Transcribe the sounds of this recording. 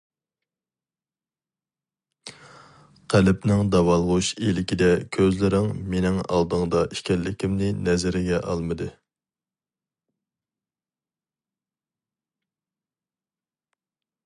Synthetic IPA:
qʰælɪpnɪŋd̪ɑwɑlˠʁuʃelɪkʲid̪ɛkʲʰøzlɪɾɪŋmenɪŋɑ̰lˠd̪ɨŋd̪ɑi̥ʃkʲɛlːɪkʲimnɪnɛzɪɾɪɡʲɛʔɑ̰lˠmɨd̪ɨ

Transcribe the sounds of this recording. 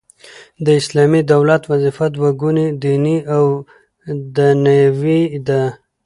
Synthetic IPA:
d̪əɪslɑmid̪awlat̪wazifad̪waɡunid̪iniaw | d̪ənajawid̪a

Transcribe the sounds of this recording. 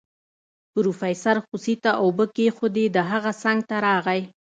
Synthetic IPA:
pɾufajsaɾxusit̪aʔawbəkexod̪ed̪əɦaɣasaŋɡ̚t̪aɾɑɣaj

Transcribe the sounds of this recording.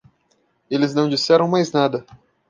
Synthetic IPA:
elɪznɐ̃w̃d͡ʒisɛɾɐ̃w̃majznad̪ɐ

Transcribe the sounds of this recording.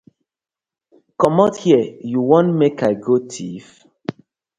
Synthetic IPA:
kɔmɔthiəjuwɔ̃nmekaɪɡotʰif

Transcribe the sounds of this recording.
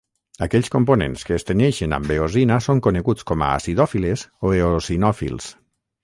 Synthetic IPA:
akɛʎskomponḛnskəːst̪enɛʃena̰mbeozinasoŋkoneɣut͡skɔma̰a̰siðɔfilesoeosinɔfḭlˠs

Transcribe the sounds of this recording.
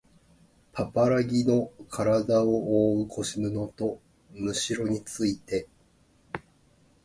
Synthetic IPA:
pʰapaɾaɡʲino̞kʰaɾad̪aooːɯkʰo̞ɕimɯ̟no̞t̪o̞ | mɯ̟ɕiɾo̞ɲ̟it͡sɨit̪e̞

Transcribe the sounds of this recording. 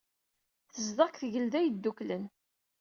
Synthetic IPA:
θəzðɑkθʝəld̪æjəd̪ːuklən

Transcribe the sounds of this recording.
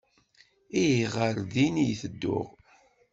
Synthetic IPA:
ijiʁəɾðinijθəd̪ːʊ̰ʁ

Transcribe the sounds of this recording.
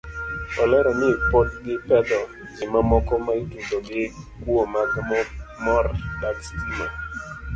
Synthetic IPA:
ɔlɛɾɔnɪpot̚ɡɪpɛd̪ɔ | d͡ʒɪmamɔkɔmaitud̪oɡɪkwomaɡmɔmɔrdakstima̰

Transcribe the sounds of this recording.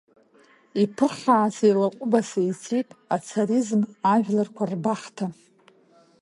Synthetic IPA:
ipʰɨχaːsejlaqʷʼʊbasait͡sʰetʼat͡sʰaɾizmaʒᶣlarkʷʰarbaχtʰa

